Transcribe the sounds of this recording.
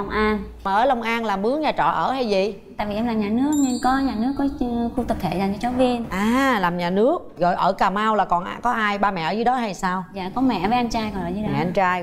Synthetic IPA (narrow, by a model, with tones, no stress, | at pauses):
wŋ͡mʔaː˧nmaː˨˩ʔəː˧˩˦lə˨˩wŋ͡mʔaː˧nlaː˨˩mɨ˨˦əŋɲaː˨˩t͡ɕɔ̰˧˨ʔəː˧˩ha˧jzḭ˨ | t̪a̰ː˧˨jvi˨˩ɛ˧mlaː˨˩mɲaː˨˩nɨ˨˦˥ək̚nɛ˧nkɔ˨˦ɲaː˨˩nɨ˨˦˥əkːɔ˨˦˧ku˧t̪ə˨˩t̪ʰḛ˧˨zaː˨˩ɲt͡ɕɔ˧˦t͡ɕɔ˨˦vi˧ənʔaː˨˩laː˨˩mɲaː˨˩nɨ˦˥ək̚ɣɔ˨˩jʔəː˧˩kaː˨˩maː˧wlaː˨˩kɔ˨˩nʔkɔ˨˦ʔaː˧jɓaː˧mɛ̰˧˨ʔəː˧˦zɨ˨˦ɗɔ˨˦ha˧jsaː˧wza̰ː˧˨kɔ˨˦mɛ̰˧˨vəː˨˦ʔa˧nt͡ɕaː˧jkɔ˨˩nəː˧˨˩zɨ˨˧˦ɛ̰˨˧˨a˧nt͡ɕaː˧j